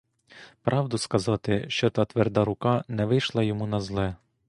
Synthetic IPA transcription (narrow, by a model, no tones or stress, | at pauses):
pɾʔɑwd̪ʊskɐzɑt̪ɪʃt͡ʃɔt̪ɑt̪ʋɛrd̪ɑɾʊkɑnɛʋɪjʃlˠɑjɔmunɐzlˠɛ